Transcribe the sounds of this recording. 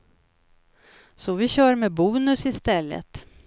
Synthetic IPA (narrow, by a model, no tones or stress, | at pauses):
sɔvɪɕœːɾmɛbuːnɵsɪst̪ɛlːə̰t̪